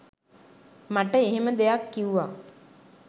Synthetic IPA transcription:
maʈəeɦeməd̪ejakːiuʋaː

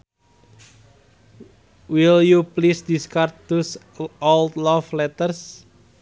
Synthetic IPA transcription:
wiljuplisdiskart̪̚t̪us | ɔld̪lɔflɛt̪ərs

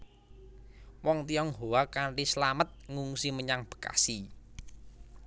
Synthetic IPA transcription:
wɔŋt̪iɔŋɦowakaɳʈislamət̪̚ŋuŋsiməɲaŋb̥ə̤̥ka̰si

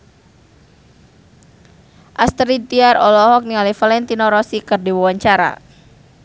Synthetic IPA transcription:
ʔast̪ɾit̪iaɾɔlɔɦɔk̚niŋalifalɛnt̪inɔɾɔsikɨrdiwawaɲt͡ʃaɾa̰

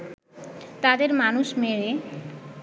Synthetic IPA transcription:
t̪ad̪eɾmanuʃmeɭe

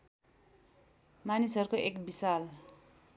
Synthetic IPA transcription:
manisɦʌrukoʔekbisal

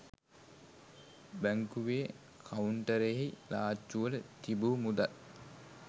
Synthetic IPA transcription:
bæŋkuʋeː | kʰauɳʈəɾeɦilaːt͡ʃːuʋələt̪ibuːmud̪al

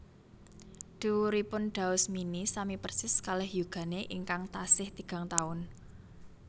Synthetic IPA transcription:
d̪̥uwuɾipʊnɖ̪̥a̤ʊsminisamipərsɪskalɛhjuɡ̥ä̤neʔiŋkaŋt̪asɪht̪iɡ̥a̤ŋt̪aʊn

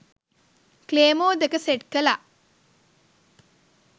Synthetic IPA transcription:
kleːmoːd̪ekəseʈkəla

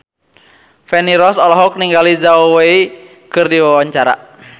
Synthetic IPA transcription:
fɛniɾɔsɔlɔɦɔk̚niŋɡalizawɛi | kɨrdiwawaɲt͡ʃaɾa̰

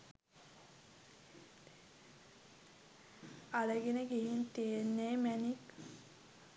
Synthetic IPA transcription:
aləɡenəɡeɦint̪eːnːeːmænik

